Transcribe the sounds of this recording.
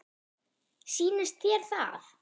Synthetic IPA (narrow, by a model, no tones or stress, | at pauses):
siːnɪst̪θjɛl̥θa̰θ